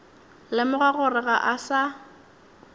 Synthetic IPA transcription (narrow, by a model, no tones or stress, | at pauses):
lɪmʊɣaɣʊrɪɣaʔasa